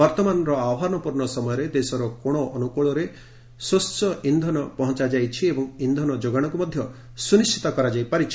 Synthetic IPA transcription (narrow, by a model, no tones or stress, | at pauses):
ɔɾt̪ɔmanɔɾɔawɦanɔpuɾɳɔsɔmɔjɔɾed̪esɔɾɔkoɽ̃ɔʔːnukuɭɔɾe | sost͡ʃɔind̪ʱɔnɔpɔɦɔ̃t͡ʃad͡ʒajt͡ʃʰiebɔŋind̪ʱɔnɔd͡ʒoɡaɽ̃ɔkumɔd̪ʱjɔ | sunisʈʰi̥t̪ɔkɔɾad͡ʒajpaɾit͡ʃʰi̥